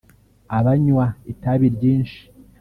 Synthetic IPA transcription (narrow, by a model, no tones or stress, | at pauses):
aβaɲwaitaβiɾɟiːnʃi̥